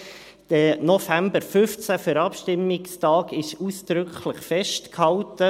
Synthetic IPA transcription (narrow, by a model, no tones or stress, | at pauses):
d̥ənɔfæmbəɾfʏft͡sæfəɾɑpʃtɪmːɪkstɑːɡɪʃuːsd̪̥ɾʏkχləχfɛʃtkhɑltə